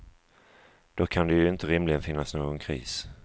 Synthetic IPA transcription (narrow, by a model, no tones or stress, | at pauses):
d̪̥okʰand̪ɛjɵɪnt̪əɾɪmlɪɡənfɪnːasnoːɡɔnkʰɾḭːs